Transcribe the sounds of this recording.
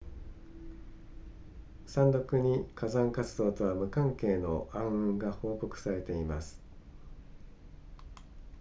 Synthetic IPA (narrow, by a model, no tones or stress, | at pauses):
sãnd̪o̞kɯ̟ɲ̟ikazãŋkat͡sɨd̪o̞ːt̪o̞βamɯ̟kãŋke̞ːno̞ʔãɰ̃ɯ̟̃ŋɡaho̞ːko̞kɯ̟̥saɾe̞t̪e̞imasɨ̥